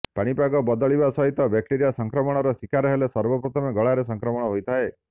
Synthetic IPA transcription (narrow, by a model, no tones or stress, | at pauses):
paɽ̃ipaɡɔbɔd̪ɔɭibasɔɦit̪ɔbak̚ʈiɾijasɔŋkɾɔmɔɽ̃ɔɾɔsikaɾɔɦelesɔɾbɔpɾɔt̪ʰɔmeɡɔɭaɾesɔŋkɾɔmɔɽ̃ɔɦojt̪ʰae